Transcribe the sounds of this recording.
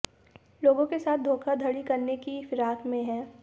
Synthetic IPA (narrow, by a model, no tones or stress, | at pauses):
loːɡõkesaːt̪̚ʰd̪ʱoːkʰad̪ʱɐɽikɐɾnekifɪɾaːkmẽɦɛ̃ː